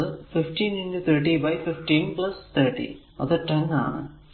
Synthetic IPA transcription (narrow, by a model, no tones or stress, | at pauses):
ɨfɪfʈĩːnɐnɖɨt̪ʰɐɾʈ̬iʋɐjfɪfʈiːnplɐst̪ʰɐɾʈḭ | ɐ̰ðɨʈɐŋa̰ːɳɨ̰